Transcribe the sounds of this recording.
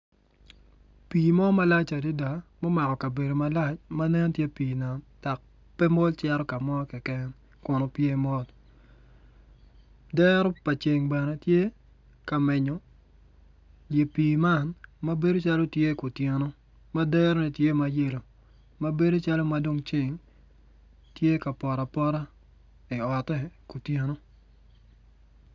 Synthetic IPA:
piː˨mɔ˦ma˦la˦t͡ʃa˨de˦da˨mɔ˦ma˨kɔ˨ka˨be˨do˨ma˦la˦t͡ʃma˦nɛ˦n˦tje˦piː˨na˨nta˨k̚ | pɛ˦mɔ˦lt͡ʃɛ˦ɾɔ˦ka˨mɔ˦kɛ˨kɛ˦n | kɔ˨no˨pje˦˨mɔ˦l | dɛ˦ɾɔ˦pa˨t͡ʃe˨ŋbɛ˨ne˦tje˦ | ka˨mɛ˨ɲɔ˨ | lje˨piː˨ma˦˨nma˦be˦do˦t͡ʃa˦lo˦tje˦ku˨tje˨no˦ | ma˦dɛ˦ɾɔ˦nɛ˨tje˦ma˨je˦˨lo˨ | ma˦be˦do˦t͡ʃa˦lo˦ma˨do˦ŋt͡ʃe˦˨ŋ | tje˦ka˨pɔ˨ɾa˨pɔ˦ɾa˦ | ɪ˨ɔ˨tɛ˦ko˨tje˨no˦

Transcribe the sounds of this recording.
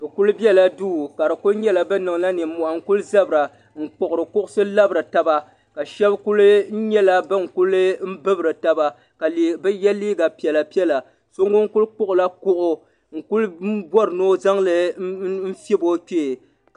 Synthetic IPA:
bɨ˨ku˦lbi˦ɛ˦la˨duː˦˨ka˨ɾɨ˨ku˦lɲɛ˦la˨bɨ˦nɨ˨ŋ˨la˦nɨ˨m̩˦mːu˨ʔa˨ŋ̩˨ku˦lza˦bɨ˨ɾa˨ | ŋ̩˨k͡pʊ˨ʔʊ˨ɾɨ˨kʊ˦ʔʊ˦sɨ˦la˦bɾɨ˨ta˦ba˦ | ka˨ʃɛ˦bku˦l̩˦ɲɛ˦la˦bɨ˦ŋ̩˨ku˦lɨ˦m̩˦bɨ˦bɨ˨ɾɨ˨ta˨ba˦ | ka˨li˨bɛ˦jɛ˦lːiː˦ɡa˨pi˨ɛ˨la˨pi˦ɛ˦la˨ | so˦ŋɡo˦ŋ̩˦ku˦lk͡pʊ˦ʔʊ˨la˦kʊ˦ʔʊ˦ | ŋ̩˨ku˦l̩˦bɔ˦ɾɨ˨noː˦za˦ŋlɨ˨˦m̩˦fi˦bo˦ke˦˨

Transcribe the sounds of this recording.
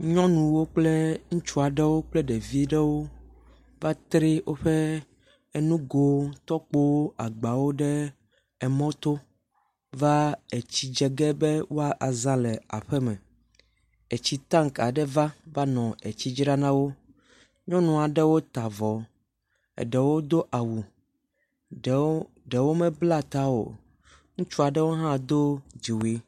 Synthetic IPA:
ɲɔ̃˦nũ˨wo˦k͡plɛ˦ŋũ˦t͡ʃu˦a˨ɖɛ˦wo˦k͡plɛ˦ɖɛ˨vi˦ɖɛ˦wo˦ | va˦t̪ɾe˦wʔo˦ɸɛ˦ | ɛ˦nũ˦ɡo˨t̪ɔ˦k͡po˦wo˦a˨ɡ͡ba˨wo˦ɖɛ˦ | ɛ˨mɔ̃˦t̪o˦ | va˦e˨t͡ɕi˦d͡ʒɛ˨ɡɛ˦bɛ˦wo˦a˨ʔa˨zã˦lɛ˨a̰˨ɸɛ˦mɛ̃˨ | e˨t͡ɕi˦t̪ã˦ŋka˨ɖɛ˦va˦va˦nɔ̃˨e˨t͡ɕi˦d͡ʒɾa˦nã˦wo˦ | ɲɔ̃˦nũ˨a˨ɖɛ˦wo˦t̪a˨vɔ˨˦ | ɛ̰˨ɖɛ˨wo˦d̪o˦ʔa˨wu˨ | ɖɛ˨wo˦mɛ̃˦bla˦t̪a˦o̰˨ | ŋũ˦t͡ʃu˦a˨ɖɛ˦wo˦ɦã˦d̪o˦d͡ʑi˨wi˦

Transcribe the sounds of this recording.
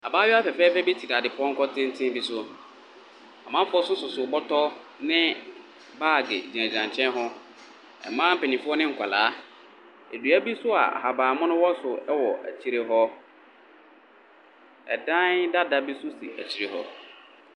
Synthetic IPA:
a˨baː˦ɥɛ˦a˦fɛ˨fɛː˦fɛ˦be˦tʰi˨da˨dɪ˨pʰʊ˨˦ɔ˦ŋ̩˦kɔ˦tʰɪ̃˦n̩˦tʰɪ̃˦bi˦sʊ˦ | a˨mã˦m˦fʊ˦ɔ˦sʊ˦sʊ˨sʊ˨bɔ˦tʰɔ˦ | nɪ̃˦ | baː˦˨ɡɪ̰˨d͡ʑi˨ã˨d͡ʑã˨ɲ˨t͡ɕʰɛ̃˦nɦɔ˦ | ɛ̰˨mːã˦m̩˦pe˨nĩ˨fʊ˦ɔ˦nɪ̃˦ŋ̩˨kʷʰa˨laː˨˦ | e˨du˨æ˦bi˦sʊ˦a̰˨ha˨baː˨mʊ̃˦nʊ̃˦wɔ˦sʊ˨ɛ˦wɔ˨ʔæ̰˨t͡ɕʰi˦ɾe˦ɦɔ˦ | ɛ̰˨dã˦nda˦da˦bi˦sʊ˦sḭ˨æ̰˨t͡ɕʰi˨ɾe˨ɦɔ̰˦

